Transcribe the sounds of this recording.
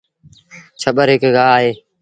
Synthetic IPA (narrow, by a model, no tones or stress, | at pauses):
t͡ʃʰəɓəɾɦɪkɡaːɦeː